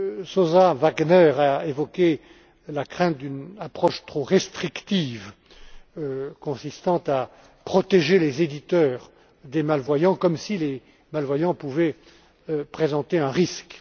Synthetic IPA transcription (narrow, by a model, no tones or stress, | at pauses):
sozavaɡnɛʁaevɔkʲe | lakχɛ̃t̪̚d̪ynapχɔʃt̪χoʁɛst̪χikt̪iv | kɔ̃sist̪ɑ̃t̪a | pχɔt̪eʒelezed̪it̪œʁ | d̪emalvwajɑ̃kɔmsile | malvwajɑ̃puvɛ | pχezɑ̃t̪eɛ̃ʁisk